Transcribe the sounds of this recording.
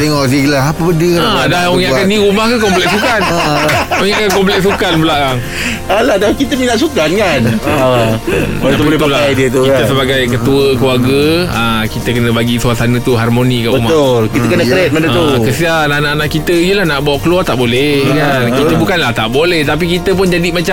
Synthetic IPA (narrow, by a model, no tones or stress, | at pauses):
t̪ɛŋɔʔsilaɦapəbədəladahojaʔkanĩɾumahkakɔmplɛk̚sukan | ojaʔkankɔmp̬lɛk̚s̬ukanbəlaʔaŋ | aladakit̪əminaʔsukankan | əp̪alaajdiət̪ukit̪əsəbaɡajkət̪uəkəluarɡəakit̪əkənə̃baɡisuasanə̃t̪uɦarmonikaʔbəumaolkit̪əkənəkɾɛt̪̚məndət̪ukəsianaʔnaʔnaʔkit̪əijəlahnaʔbawaʔkəluart̪aʔbolɛkankit̪əbukanlaht̪aʔbolɛht̪ap̬ikit̪əp̬ʊnd͡ʒadimat͡ʃa